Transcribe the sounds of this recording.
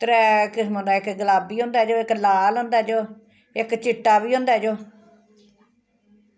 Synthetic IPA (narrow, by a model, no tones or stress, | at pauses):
t̪əɾɛːkmõːnd̪aːɪkɡəlaːbiːɦʊ̃ːnd̪aːd͡ʒoːɪklaːlɦõːnd̪aːd͡ʒoː | ɪkt͡ʃɪʈːaːbiːɦʊ̃ːnd̪aːd͡ʒoː